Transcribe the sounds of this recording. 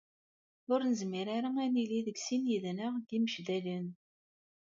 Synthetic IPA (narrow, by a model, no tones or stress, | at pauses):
ʊɾnəzmiɾaɾaæniliðəɡsinjəðnəʁɡiməʃðælən